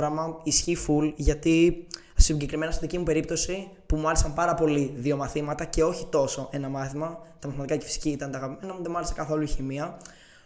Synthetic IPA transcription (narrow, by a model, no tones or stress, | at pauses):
ɾɐmɐisçifulʝɐt̪i | ssiɲɟe̞kɾime̞nɐst̪iðicimupe̞ɾip̚t̪o̞si | pumuɐlesɐmpɐɾɐpo̞liðio̞mɐθimɐt̪ɐce̞o̞çit̪o̞so̞ʔe̞nɐmɐθimɐt̪ɐmɐθimɐt̪ikɐce̥fi̥si̥ciit̪ɐnt̪ɐɣɐpimenɐmuðemuɐlesekɐθo̞luiçimiɐ